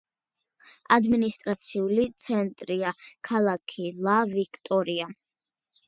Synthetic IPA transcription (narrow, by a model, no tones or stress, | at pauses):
ad̪minist̪ʼɾat̪sʰiulit̪sʰɛnt̪ʼɾiakʰalˠakʰilˠavikʰt̪ʼɔɾia